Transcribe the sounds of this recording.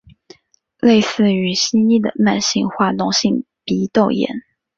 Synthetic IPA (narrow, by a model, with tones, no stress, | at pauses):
le˥˧ɪsɹ̩˥˩y˧˩ɕi˥ni˥˩d̪ə̰˩ma˥˧nɕi˥˩ŋxwa˥˩nʊ˧˥ŋɕi˥˩ŋ | pi˧˥t̪o˥˩ʊjɛ̰˧˥˦n